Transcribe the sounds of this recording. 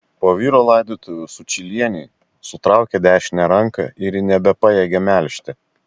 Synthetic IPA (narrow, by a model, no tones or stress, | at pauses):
poːʋʲiːɾoːlˠɑˑɪd̪ʲiːt̪ʊʋʲʊsʊt͡ʃʲɪlʲiɛnʲɛɪ | sʊt̪ɾɑˑʊkʲɛd̪ʲæːʃʲɪnʲɛɾɐŋkɐ̰ɪɾnʲɛbʲɛpɑjɛɡʲɛmʲæˑlʲʃʲt̪ʲɪ